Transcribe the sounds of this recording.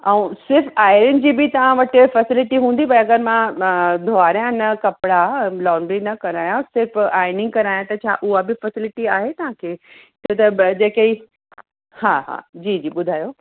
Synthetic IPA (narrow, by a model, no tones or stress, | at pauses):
ɐũsɪɾfaːɪɾɪʊnɪ̆d͡ʑiːbɪt̪ɐʋãʋɐʈɪfɐsɪlɪʈiɦũːnd̪ipɐɐɡəɾmãd̪ʱoaːɾjãnɐkɐpɪɽalaːɳɖɾinɐkɐɾaːjãsɪɾfaːɪnɪ̃ŋɡkɐɾaːjãt̪ɐt͡ɕʰa̰ːʔʊabɪfɐsɪlɪʈiaːɦet̪ɐʋ̤ãkʰeː | t̪ɐt̪ɐd͡ʑeːkɐi | haɦa̰ːd͡ʑiːd͡ʑiːɓʊd̪ʱaːjoː